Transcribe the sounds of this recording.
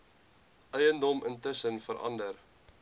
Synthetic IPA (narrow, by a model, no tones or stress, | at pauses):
ʔœjəndɔməntəsənfəɾʔɐ̰ndər